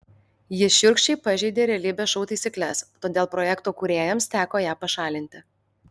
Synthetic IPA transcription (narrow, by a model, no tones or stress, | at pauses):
jɪʃʲʊɾʲkʃʲt͡ʃʲɛɪpɐʒʲɛɪd̪ʲeːɾʲɛlʲiːbʲeːʃɔʊt̪ɐɪsʲɪkʲlʲɛst̪oːd̪ʲeːlˠpɾɔjɛkt̪oːkʊɾʲeːjɛmst̪ʲæːkoːjæːpɐʃɑːlʲɪnʲt̪ʲɪ